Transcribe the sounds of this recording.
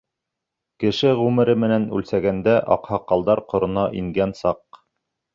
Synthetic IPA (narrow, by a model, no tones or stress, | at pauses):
kɘ̆ʃɘʁʉmɘ̆ɾɘmɘ̆nænʉ̰lsæɡænd̪æʔɑ̰qhɑqːɑlˠd̪ɑɾqŏɾŏnɑʔiŋɡænsɑq